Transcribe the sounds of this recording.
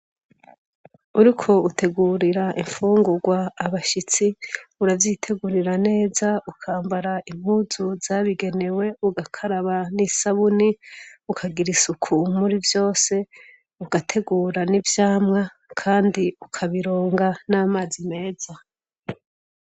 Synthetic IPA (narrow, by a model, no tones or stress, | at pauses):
uɾikʰo̞utʰe̞ɡuːɾiɾaʔiɱfuːŋɡuɡwaːβaʃit͡siuɾavjitʰe̞ɡuɾiɾane̞ːzaukʰaːmbaɾaʔim̥huzuzaβiɡe̞ne̞we̞uɡakʰaɾaβanisaβuniukʰaɡiɾisukʰumuɾivjo̞ːse̞ | uɡatʰe̞ɡuːɾanivjaːmŋa | kʰaːndiukʰaβiɾo̞ːŋɡanaːmaːzime̞ːz̥a